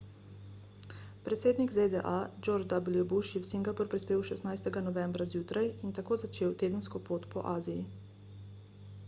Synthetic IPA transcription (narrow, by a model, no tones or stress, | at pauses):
pɾɛt̪seːd̪niɡzed̪ɛʔad͡ʒoɾd͡ʒd̪abilijɔbuʃjɛwsiŋɡapɔɾpɾispeːwʃɛsnajst̪ɛɡanɔʋɛmbɾazjuːt̪ɾajint̪akoːzat͡ʃeːwt̪eːd̪ənskɔpoːt̪pɔ̰ʔaːziji